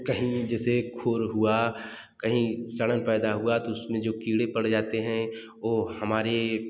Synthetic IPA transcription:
kɐɦĩd͡ʒɛːsekʰoːɾɦua | kɐɦĩsɐɽənpɛːd̪aɦuat̪oʊsmẽd͡ʒoːkiːɽepɐɽd͡ʒaːt̪eɦɛ̃ | oːhɐmaːɾe

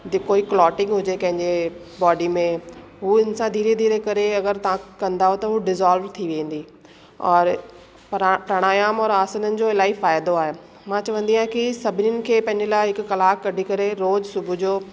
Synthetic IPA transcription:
d͡ʑɪkoːiklɔːʈɪ̃ŋɡɦʊd͡ʑekɐ̃ɦɪ̃ɲd͡ʑe | bɔːɖimẽ | ɦuɪnsãd̪ʱiːɾed̪ʱiːɾekɐɾeɐɡəɾt̪ɐʋãkɐ̃nd̪aɦõt̪ɐɦuɖɪzaːlʋɾt̪ʰiʋẽːnd̪iː | ɔːɾ | ppɾɐɽ̃aːjaːmɔːɾaːsənənɪ̆d͡ʑoːɪlaːifaːjd̪oaːɦe | mãt͡ɕɐʋə̃nd̪ijãkisɐbʱɪniənɪ̆kʰeːpɐ̃ɦɪ̃ɲd͡ʑelaːɪɦɪkʊkɐlaːkːɐɖʱikɐɾeɾoːzsʊbʱʊd͡ʑoː

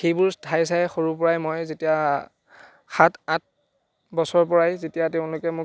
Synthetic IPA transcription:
xejbʊɹstʰajs̬ajxoɹup̬ɔɹajmojzetija | xatʰãt̚ | bɔsɔɹpɔɹajzetijatɛʊ̃lʊkɛmʊ

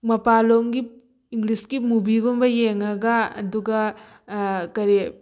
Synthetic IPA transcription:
mɐpaloŋɡi | iŋɡliskimubiɡombɐjeŋɐɡɐɐ̰duɡɐ | kɐɾe

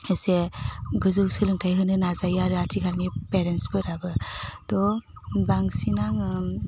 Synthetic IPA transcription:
eseɡɯzɯwsɯlɯŋtʰajɦɯnɯnazajaɾɯatʰikʰalnipeɾensbɯɾabɯd̥ɔ | baŋsinaŋɯ

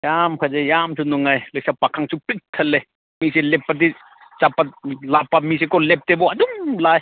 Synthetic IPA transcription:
jamkʰazejamsʰunuŋajlɯjsapakʰaŋsʰupik̚t̪ʰɐlːe | miselepːad̪̬i | t͡ʃapːalapːamis̬ekɔlep̚t̪ebɔad̪umlaj

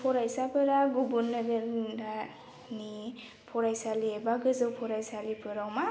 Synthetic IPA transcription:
pʰɔɾajsapʰɯɾaɡubunːaɡəɾda | ni | pʰɔɾajsaliebaɡɯzɯwpʰɔɾajsalipʰɯɾawma

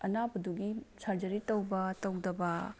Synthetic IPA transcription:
ɐnabɐduɡisaɾd͡ʒɐɾitɐwbɐtɐwdɐbɐ

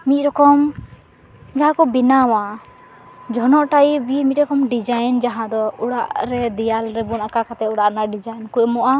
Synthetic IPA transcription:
mit̪̚ɾɔkɔm | ɡaakɔbinawa | d͡ʒɔnɔʔʈaibimit̪̚ˀɾɔkɔmɖid͡ʒajnd͡ʒaɦãd̪ɔuɽaʔɾɛd̪ijalɾɛbunakakat̪ɛuɽaʔnaɖid͡ʒajnkujmɔʔa

